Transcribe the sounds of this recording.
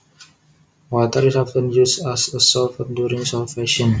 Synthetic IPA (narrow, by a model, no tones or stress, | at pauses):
wɔt̪əɾisafə̃njusasəsɔfəndjuɾĩŋsɔfɛʃɔ̃n